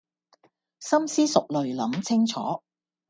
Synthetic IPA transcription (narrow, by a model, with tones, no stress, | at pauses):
sɐ˥msiː˥sʊ˨k̚lɵ˨ɥlɐ˨˥mt͡sʰɪ˥ŋt͡sʰɔ̰ː˨˥